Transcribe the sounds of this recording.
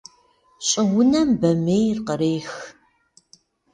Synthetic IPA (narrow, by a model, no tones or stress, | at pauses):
ɕʼɪwʊnɐmbɐmeːjrqəɾeːx